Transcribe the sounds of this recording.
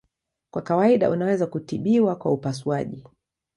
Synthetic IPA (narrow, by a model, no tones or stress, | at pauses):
kwakawaiɗa̰ʔunawɛzakutiɓiwakwa̰upasuaʄi